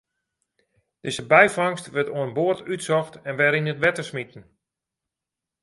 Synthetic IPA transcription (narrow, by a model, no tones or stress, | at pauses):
d̥ɪzəbɛjfɔŋstʋɛrtoənboərtytsɔxtɛnʋɛɾinətʋɛtəsmitən̩